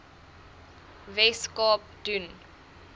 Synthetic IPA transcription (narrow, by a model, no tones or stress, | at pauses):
vɛskɔp̚d̥yn